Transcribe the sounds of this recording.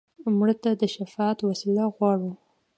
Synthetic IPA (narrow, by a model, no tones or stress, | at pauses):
mɽət̪ad̪əʃafɑt̪wasilaɣwɑɽu